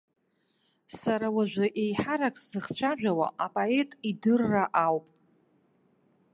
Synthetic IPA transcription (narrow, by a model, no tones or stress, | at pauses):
saɾawaʒᶣʷaʔejħaɾakʼszɨχt͡ɕʷʰaʒᶣʷawa̰ʔapʼoe̞tʼidɨrːaʔawpʼ